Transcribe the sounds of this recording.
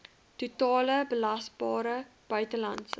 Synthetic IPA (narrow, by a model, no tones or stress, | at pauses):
tutɑːləbəlɐsb̥ɑːɾə | b̥œɥtəlɐnts